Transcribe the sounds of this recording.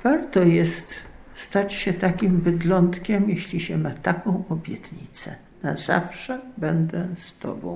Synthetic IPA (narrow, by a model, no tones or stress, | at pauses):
v̥aɾt̪ɔjɛst̪ | st̪at͡ɕɕɛt̪akʲimbɘd̪lɔnt̪kʲɛmjɛɕlʲiɕɛmat̪akɔ̃w̃ɔbʲjɛt̪ɲḭt̪sɛ̰ | naza̰fʂɛbɛnd̪ɛst̪ɔ̰bɔ̰̃w̃